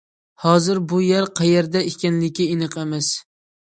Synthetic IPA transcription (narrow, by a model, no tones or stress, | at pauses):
hɒzɪɾbʊjaɾqʰɑjeɾd̪ɛɪkʲanlɪkʲːɪinɨqemɪs